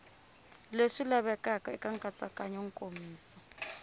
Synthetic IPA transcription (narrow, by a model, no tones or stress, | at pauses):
leʂilaβɛkʼakʼɔɛkʼaŋkʼat͡sʼakʼaɲɔŋ̩kʼomiːsɔ̥